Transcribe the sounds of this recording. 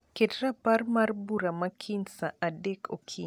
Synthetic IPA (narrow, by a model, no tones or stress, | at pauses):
kɛtɾapaɾmaɾbuɾamakʰinsaadɛkʰokʰi